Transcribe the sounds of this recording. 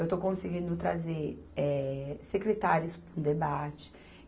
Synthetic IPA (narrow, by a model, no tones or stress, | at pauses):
ewt̪okõsɪɡĩnd̪ʊt̪ɾa̰zeɾɛsekɾet̪aɾjʊspũd̪ebat͡ʃɪ̥